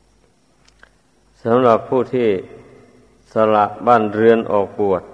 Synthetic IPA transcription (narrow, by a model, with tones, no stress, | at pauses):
sa˨˦mla˨˧˩pʰːuː˥˩t̪ʰiː˧˥˩ | sa˧la˧˩ʔbaː˥˩˨nɾɯ˧˥ənʔɔː˨˩k̚bu˨˩ət̪̚